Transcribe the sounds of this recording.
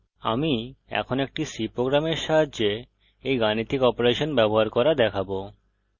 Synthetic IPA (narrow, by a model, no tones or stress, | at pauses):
a̰miɛ̰kʰonoek̚ʈisipɾoɡɾameɾʃaɦadd͡ʑe | ejɡanit̪ʰːikɔpoɾeʃonbɛboɦaɾkɔɾad̪ɛkʰabo